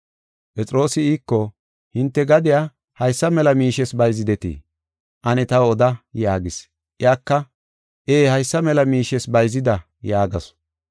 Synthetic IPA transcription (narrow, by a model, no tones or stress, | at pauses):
pʼɛt͡sʼɾo̞ːsɪiːkːɔ | hɪnt̪ːɛɡɐd̪ɪjaː | hɐjsːɐmɛlɐmiːʃɛsbɐjzɪd̪ɛt̪ḭː | ʔɐnɛt̪ɐwɔd̪ɐjaːɡɪs | ʔɪaːkːɐ | ʔeːhɐjsːɐmɛlɐmiːʃɛsbɐjzɪd̪ɐ | jaːɡɐs